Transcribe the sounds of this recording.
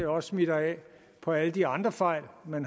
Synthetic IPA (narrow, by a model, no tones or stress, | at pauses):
æɒ̽ssmid̥ɐɛ̰ | pʰɒ̽æləd̥iɑ̈nd̥ʁɐfɑ̈ɪ̰lmen